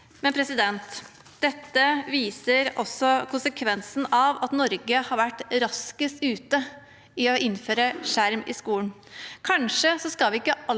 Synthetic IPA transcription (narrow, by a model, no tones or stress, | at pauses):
mɛnpʰɾɛsɪd̪ɛnt̪ | d̪̥ɛt̪ːəʋiːsəɾɔsːɔkʰʊnsəkʰʋɛnsn̩ɑʋɑt̪nɔɾɡəhɑɾʋæʈːɾɑskəsʉːt̪ə | ɪɔʔɪnːføːɾəʂæɾmɪ̰skuːn | kʰɑnʂəsɔskɑlʋɪɪkːəʔɑ